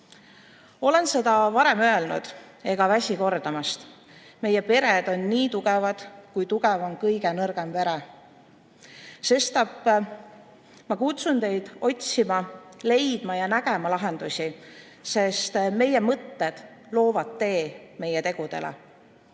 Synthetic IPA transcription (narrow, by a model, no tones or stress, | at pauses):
o̞le̞nse̞d̪̥ɑvɑɾe̞mø̞e̞lnṵd̪̥ | e̞ɡ̥ɑvæsʲiko̞rd̪ɑmɑst̪ | me̞jepe̞ɾed̪̥o̞nːiːt̪uɡ̥ɛvɑd̪̥kujt̪uɡ̥ɛvonkɤjɡenɤrɡ̥e̞mve̞ɾe | se̞st̪ɑpː | mɑkut̪sunt̪e̞jd̪̥o̞tʲsimɑle̞jd̪̥mɑjɑnæɡ̥emɑlɑɦe̞nd̪̥usʲi | se̞st̪me̞jemɤt̪ːed̪̥lo̞ːvɑd̪ːe̞ːme̞jet̪e̞ɡ̥ud̪̥e̞̰lḛ